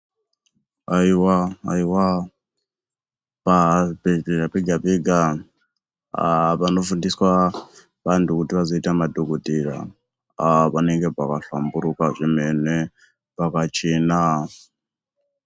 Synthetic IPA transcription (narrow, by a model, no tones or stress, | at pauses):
aiwaaiwa | pabɛɡabiɡabɛɡa | βanofundiswa | βantʰukutiβazoitamadokotʼiɺa̰ | aβanɛŋɡɛbakʼaɬambuɾukʼaʐʷimɛnɛ | bakat͡ʃʰena